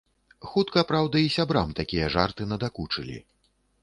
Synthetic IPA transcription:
xut̪kɐpɾawd̪ɐisʲabɾamt̪akʲijɐʐa̰rt̪ɨnɐd̪akut͡ʂɨlʲḭ

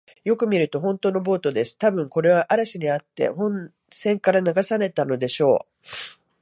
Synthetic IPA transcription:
jo̞kɯ̟mʲiɾɯ̟t̪o̞ɦõ̞nt̪o̞ːno̞bo̞ːt̪o̞d̪e̞sɨ̥t̪abɯ̟̃ŋko̞ɾe̞β̞aʔaɾaɕiɲ̟iat̪ːe̞̰hõ̞n | sẽ̞ŋkaɾanaɡasane̞t̪ano̞d̪e̞ɕo̞ː

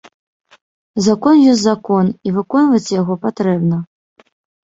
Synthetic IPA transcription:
zakɔnjɔsʲzakɔnivɨkɔnvɐt͡sʲjaɣɔpat̪ɾɛbnɐ

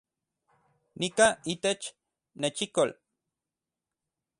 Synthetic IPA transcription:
nikait̪et͡ʃ | net͡ʃikol

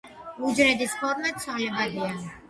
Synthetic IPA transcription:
ud͡ʒɾɛd̪ispʰɔɾmɛt̪sʰwalɛbad̪ia

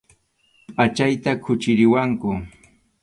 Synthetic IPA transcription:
pʼat͡ʃajt̪akʰʊt͡ʃɪɾɪwaŋkʊ

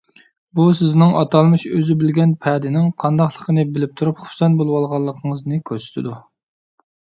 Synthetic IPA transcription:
busɪznɪŋʔɑt̪ɑlˠmɨʃøzɪbɪlɡʲɛnpʰɛd̪ɪnɪŋqʰɑnd̪ɑχlˠəqʰənɨbɪlɪp̚t̪ʰuɾupχʊ̥sɛnbolˠwɑlˠʁɑlˠːəqʰəŋəznɨkʲʰøɾsɪ̥t̪ʰɪd̪u

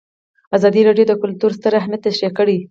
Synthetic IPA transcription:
azɑd̪iɾɑɖjod̪əkʊlt̪uɾst̪əɾahmat̪ːaʃɾakəɽi

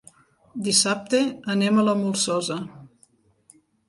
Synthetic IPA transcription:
d̪isap̚t̪eənemələmulˠsɔzə

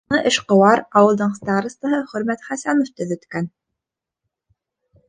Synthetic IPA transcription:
ɤʔɘ̆ʃqŏwɑɾɑwɤ̆lˠd̪ɤɴst̪ɑɾɤ̆st̪ɤ̆ɦɤχɵ̆ɾmæt̪χæsænoft̪ɵ̆ðɵ̆t̪kæn

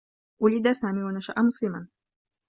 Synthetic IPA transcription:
ʔʊlɪd̪asaːmiːwanaʃa̰ʔamʊsˤlɪman

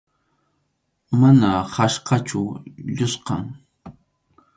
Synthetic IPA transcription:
manahaʃqɑt͡ʃʊʎʊsqɑŋ

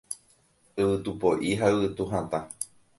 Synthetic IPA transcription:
ɨβɨt̪upoʔiɦaɨwɨt̪uɦãt̪ã

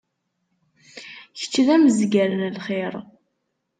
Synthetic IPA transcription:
çə̥t͡ʃːðæməzɡælənlχeɾˤ

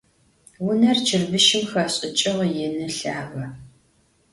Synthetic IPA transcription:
wʊnɐrt͡ʃʰɪrbɨʃɪmxɐɕʼɪt͡ʃʼɪʁjɛnɨɬaːʁɐ

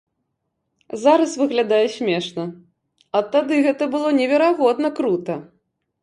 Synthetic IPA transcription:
zaɾɐsvɨɣlʲad̪ajɛsʲmʲɛʂnɐ | ɐt̪ad̪ɨɣɛt̪ɐbɨlˠɔnʲɛvʲɛɾaɣɔd̪nɐkɾut̪ɐ

